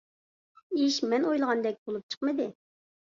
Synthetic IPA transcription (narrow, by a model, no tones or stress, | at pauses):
iʃmɛnojlˠəʁɑnd̪ɛk̚ʲbolˠup̚t͡ʃʰə̥qmɨd̪ɪ